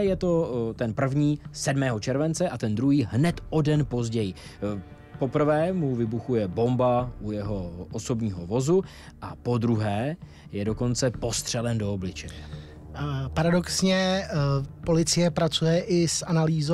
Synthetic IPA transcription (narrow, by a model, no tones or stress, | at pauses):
jɛt̪o̞t̪ɛnpr̩vɲiːsɛdmɛːɦo̞t͡ʃɛɾvɛnt͡sɛʔat̪ɛnd̪ɾuɦiːɦnɛt̪ʔo̞dɛnpo̞zɟɛjɪ | po̞pr̩vɛːmuvɪbuxujɛbo̞mbaʔujɛɦo̞ʔoso̞bɲiːɦo̞vo̞zu | ʔapo̞d̪ɾuɦɛː | jɛdo̞ko̞nt͡sɛpo̞st̪r̝̥ɛlɛndo̞oblɪt͡ʃɛɲɛ | paɾadoksɲɛ | po̞lɪt͡sɪjɛpɾat͡sujɛʔɪsʔanaliːzo